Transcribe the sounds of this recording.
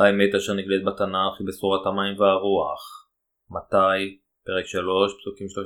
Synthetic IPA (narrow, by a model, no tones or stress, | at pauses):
aemet̪aʃeʁniɡlet̪̚bat̪anaχibesuʁat̪amajmveaʁuaχ | mat̪aj | peʁekʃalo̞ʃpsukimʃto